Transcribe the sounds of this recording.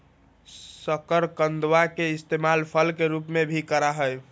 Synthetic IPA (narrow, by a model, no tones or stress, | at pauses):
səkəɾkənd̪wakeɪst̪emalpʰəlkeɾupmebʱikəɾaɦəj